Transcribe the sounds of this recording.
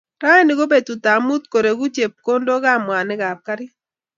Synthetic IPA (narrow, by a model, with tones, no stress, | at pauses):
ɾa˦nɪ˨ɡo˦be˨dtu˨ta˨mu˦t̪̚ko˨ɾe˨ɡu˦t͡ʃe˨p̚ko˦ndo˦ɡa˦˨mwa˨nɪ˦ɡa˨p̚ka˦ɾɪ˦